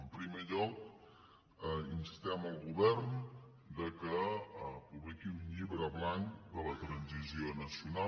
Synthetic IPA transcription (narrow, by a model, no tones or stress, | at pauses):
əmpɾimeʎɔk | insi̥st̪ɛməlˠɣuβɛɾn | d̪əkəpuβlikiuɲʎiβɾəβlaŋd̪ələt̪ɾənzizionəsiuna